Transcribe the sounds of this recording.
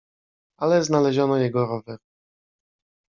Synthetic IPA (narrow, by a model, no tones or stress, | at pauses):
alɛznalɛʑɔnɔjɛɡɔɾɔvɛɾ